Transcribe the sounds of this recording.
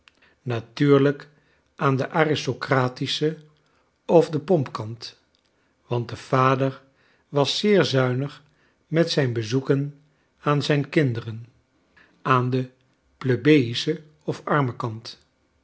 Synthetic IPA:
natyːɹlək | ʔaːndəʔaːrɪstokraːtisə | ɔvdəpɔmpkɑnt | ʋɑn̚dəv̥aːdəɹ | ʋɑsːɪːɹzœɥnəχ | mɛtsɛjnbəzukən | aːnzɛjnkɪndərən | aːndə | pløbejisə | ɔfɑɹməkɑnt

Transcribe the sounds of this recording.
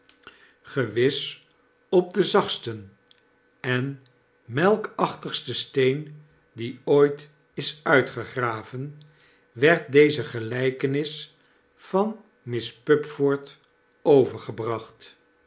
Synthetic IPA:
χəʋɪs | ɔb̚dəzɑχstən | ɛn | mɛlˠkɑχtəχstəstejn | diojt | ɪsœɥtχəχraːvən | ʋɛɹt̚dejzəχəlɛjkənɪs | fɑn | mɪspɵpfɔɹt | owvəɹχəbrɑχt

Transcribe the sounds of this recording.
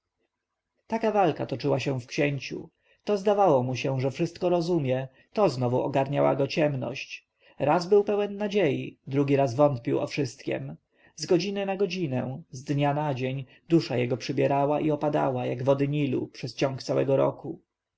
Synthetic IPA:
t̪akavalkat̪ɔt͡ʂɘwaɕɛ̃fkɕɛɲt͡ɕṵ | t̪ɔzd̪avawɔmuɕɛʐɛfʂɘst̪kɔɾɔzumʲjɛ | t̪ɔznɔvuɔɡaɾɲawa̰ɡɔt͡ɕɛmnɔ̰ɕt͡ɕ | ɾazbɘwpɛwɛnːad͡ʑejḭd̪ɾuɡʲiɾazvɔnt̪pʲiwɔ̰fʂɘst̪kʲɛ̰m | zɡɔd͡ʑinɘnaɡɔd͡ʑinɛ̃zd̪ɲanad͡ʑeɲ | d̪uʂajɛɡɔpʂɘbʲjɛɾawaʔiɔpad̪a̰wajaɡvɔd̪ɘɲilṵpʂɛst͡ɕɔ̃ŋkt̪sawɛ̰ɡɔɾɔ̰ku

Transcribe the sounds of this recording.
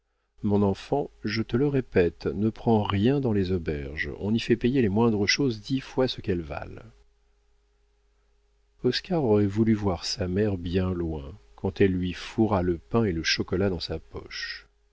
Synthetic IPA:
mɔ̃nɑ̃fɑ̃ʒət̪ələʁepɛt̪nəpχɑ̃ʁjɛ̃d̪ɑ̃lezɔbɛʁʒɔ̰̃nifɛpejelemwɛ̃d̪ʁəʃozd̪ifwasəkɛlva̰l | ɔskaʁɔʁɛvulyvwaʁsamɛʁbjɛ̃lwɛ̃kɑ̃t̪ɛlːɥifuʁaləpɛ̃eləʃɔkɔlad̪ɑ̃sapɔ̰ʃ

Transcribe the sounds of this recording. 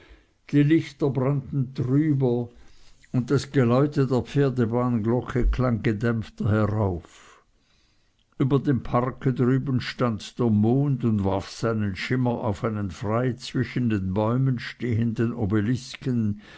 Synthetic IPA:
d̥iːlɪçtɐbʁantn̩dʁyːbɐ | ʊnt̚dasɡ̥elɔʏtədeːɐp͡feːɐdebaːnɡlɔkʰəkʰlaŋɡədɛmftɐhɛʁaʊf | ʔyːbɐdeːmpʰaʁkʰədʁyːbənʃtandd̥eːɐmoːndʊndvaʁfsaɪnənʃɪmɐʔaʊfaɪnənfʁaɪt͡sv̥ɪʃn̩deːnbɔʏmənʃteːəndənobelɪskən

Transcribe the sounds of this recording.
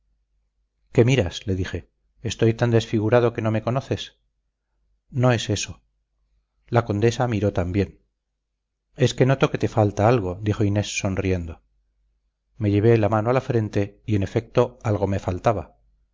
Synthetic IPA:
ke̞miɾasle̞ðixe̞ | eːst̪o̞jt̪and̪e̞sfiɣ̞uɾað̞o̞ke̞no̞me̞ko̞no̞θe̞s | no̞e̞se̞so̞ | lako̞nd̪e̞samiɾo̞t̪ambje̞n | e̞ske̞no̞t̪o̞ke̞t̪e̞falt̪aalɣ̞o̞d̪ixo̞ine̞sːo̞nrie̞nd̪o̞ | me̞ʝe̞βe̞lamanoalafɾe̞nt̪e̞ie̞ne̞fe̞k̚t̪o̞alɣ̞o̞me̞falt̪aβa

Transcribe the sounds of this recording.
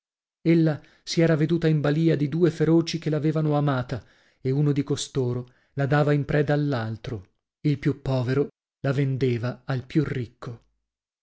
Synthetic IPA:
elːa | siɛːɾaved̪uːt̪aimbaliːad̪id̪uːefeɾoːt͡ʃikelaveːvanoamaːt̪a | eunod̪ikost̪oːɾo | lad̪aːvaimpɾɛd̪aːlːalt̪ɾo | ilpjupːɔːveɾo | lavend̪eːvaalpjurːikʰːo

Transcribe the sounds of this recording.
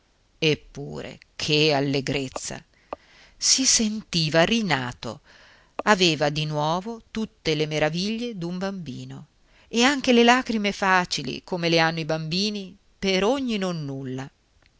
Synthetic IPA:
epːṵːɾḛ | kʰealːeɡɾet̪sːa̰ | sisent̪iːvarina̰ːt̪o̰ | aveːvad̪inwɔːvot̪ut̪ːelemeɾaviʎːed̪umbambiːno | eaŋk̟elelaːkɾimefaːt͡ʃilḭkomeleanːoibambiːni | peɾoɲːinonːulːa

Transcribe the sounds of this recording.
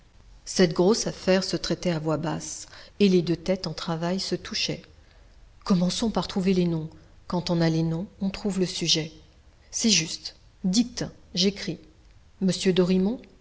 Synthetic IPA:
sɛt̪ɡʁosafɛʁsət̪χɛt̪ɛavwabaseled̪øt̪ɛt̪ɑ̃t̪χavajsət̪ʰuʃɛ̰ | kɔmɑ̃sɔ̃paʁt̪χuvelenɔ̃ | kɑ̃t̪ɔ̃nalenɔ̃ɔ̃t̪χuvləsyʒɛ | sɛʒyst̪ | d̪it̪ʒekχi | məsjød̪ɔʁimɔ̃

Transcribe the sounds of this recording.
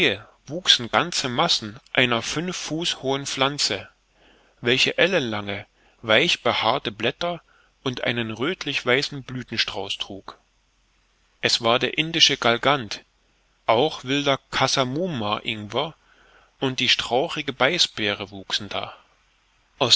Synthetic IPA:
ə | vuːksn̩ɡant͡səmasn̩ʔaɪnɐfʏnfːuːshoːənflant͡sə | vɛlçəʔɛlənlaŋə | vaɪçb̥əhaːɐtəblɛtɐ | ʔʊntʔa̰ɪnənʁøːtʰlɪçv̥aɪsn̩blyːtn̩ʃtʁ̥aʊstʁ̥uːk | ʔɛsv̥aːɐdeːɐʔɪndɪʃəɡalɡant | ʔaʊxv̥ɪldɐkʰasamuːmaʔɪŋvɐ | ʔʊnt̚d̥iːʃtʁ̥aʊʁɪɡəbaɪsb̥eːʁəvuːksn̩d̥a̰ː | ʔaʊs

